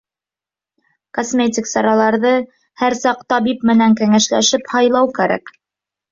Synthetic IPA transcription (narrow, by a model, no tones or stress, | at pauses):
kosmʲetʲiksɑɾɑlˠɑɾðɤ | hæɾsɑqt̪ɑbip̚mɘ̆næŋkæŋæʃlæʃɘphɑjlˠɑwkæɾæ̰k